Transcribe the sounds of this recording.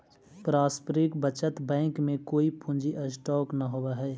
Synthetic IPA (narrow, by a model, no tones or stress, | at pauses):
pɾaːspɾɪkbət͡ʃət̪bɛ̃ːŋkmẽkoːipʰũnd͡ʒiʔəsʈɔːknaɦobeɦɛː